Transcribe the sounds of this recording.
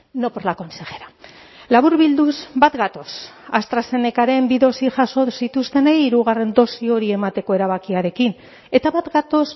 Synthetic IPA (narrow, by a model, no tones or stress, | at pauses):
no̞poɾlako̞nseɣe̞ɾa | laβuɾβild̪usbat̪ɡat̪o̞sast̪ɾase̞ne̞kaɾe̞mbiðo̞siʝaso̞sit̪ust̪e̞nejːɾuɣare̞nd̪o̞sio̞ɾie̞mat̪e̞ko̞e̞ɾaβ̞akiaɾe̞kin | e̞t̪aβat̪ɡat̪o̞s